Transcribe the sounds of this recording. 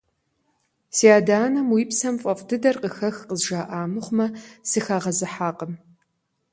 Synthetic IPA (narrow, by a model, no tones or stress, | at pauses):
siaːdaːnɐmwiːpsɐmfʼɐfʼdɨdɐrqəxɐxqəzʒaːʔaːmɨχʷmɐsɨxaːʁɐzɨħaːqʼəm